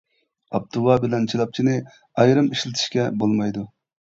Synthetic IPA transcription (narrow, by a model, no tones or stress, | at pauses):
ɑb̚t̪ʰuwɑbɪlɛnt͡ʃʰilˠɑp̚t͡ʃʰinɪ | ɑjɾɨmiʃlɪt̪ʰɪ̥ʃkʲɛbolˠmɑjd̪u